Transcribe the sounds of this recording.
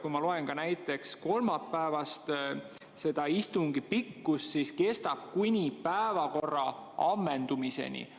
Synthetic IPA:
kujmɑlo̞e̞nɡɑnæjt̪ːˑe̞ksko̞lmɑpːæevɑst̪ | se̞d̪̥ɑist̪uŋɡipikːussiske̞st̪ɑb̥̚kunʲipæevɑko̞rːɑɑmːe̞nd̪̥umise̞̰nʲḭ

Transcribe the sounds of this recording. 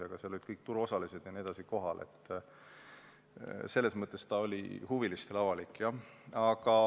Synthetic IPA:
ɑɡ̥ɑselolid̪̥̚kɤjk̚t̪uɾo̞sɑlised̪̥jɑnied̪̥ɑsiko̞ɦɑlʔe̞̰t̪ːˑ | se̞lːe̞smɤt̪ːˑest̪ɑolʲḭhuvilist̪e̞lɑvɑlikːˑjɑɑkɑ

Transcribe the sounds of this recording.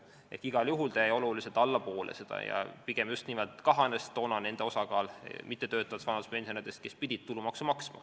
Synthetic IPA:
e̞̰hkiɡ̥ɑljuɦult̪ɑjjo̞luliset̪ˑɑlːɑpo̞ːlʔḛse̞d̪̥ɑ̰jɑ̰piɡ̥e̞mjust̪niːmeld̪̥kɑɦɑnestt̪ːo̞ːnɑne̞nd̪e̞osɑkɑːlmit̪ˑːe̞t̪ø̞ːt̪ːˑɑvɑt̪sfɑnɑd̪u̥spensionid̪̥e̞st̪̚ke̞spid̥̪ʲid̪̥̚t̪ulumɑksumɑksmɑ̰

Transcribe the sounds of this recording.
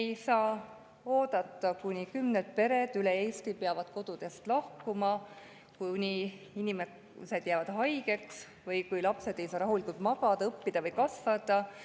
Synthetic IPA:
ejsɑː | o̞ːd̪ɑt̪ːˑɑkunikymnet̪̚pe̞ɾe̞d̪̥yleeːst̪ipeɑvɑd̪̥ko̞d̪̥ud̪̥e̞st̪lɑhkumɑ | kunʲi | inime | se̞d̪̥jæːvɑd̪̥ɦɑjɡe̞ks | vɤjkujlɑpse̞d̪̥e̞jsɑːɾɑɦulikult̪mɑɡ̥ɑd̪̥ɑɤpːid̪ɑvɤjkɑsvɑd̪̥ɑ

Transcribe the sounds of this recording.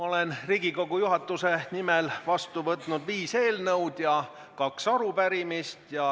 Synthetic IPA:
mɑo̞le̞nriːɡ̥iko̞ɡ̥ujuɦɑt̪ːˑuse̞nimelvɑst̪uvɤt̪ˑnud̪viːse̞ːlnɤwd̪̥jɑ | kɑksɑɾupæɾimist̪jɑ

